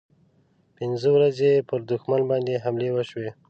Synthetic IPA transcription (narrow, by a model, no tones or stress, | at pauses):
pɪnzəwɾazepəɾd̪ʊxmanbɑnd̪eɦamlewəʃwe